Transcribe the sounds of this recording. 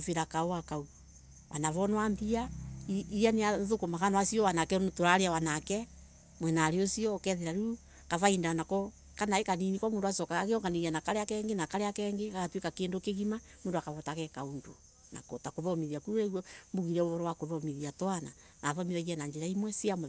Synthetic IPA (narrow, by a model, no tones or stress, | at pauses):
feɾakaowakau | wa̰naβɔnɔwambiaiijaneaðokomakanɔwasiɔwanakɛtoɾaɾeawanakɛ | mwɛnaɾeosiɔkɛðeɾaɾu | kavaindanakɔ | kanaekaninikɔmoːndowasɔkaakeɔŋɡaneɣianakaɾeakɛŋɡenakaɾeakɛŋɡekakatwekakeːndokeɣima | moːndoakaβɔtaɣɛkaondo̰ | na̰kɔtakoβɔmiðiakuɾɛɣwɔmbuɣiɾɛoβɔɾɔwakoβɔmiðiatwana | naβɔmiðaɣianaɲd͡ʒeɾaimwɛsiamo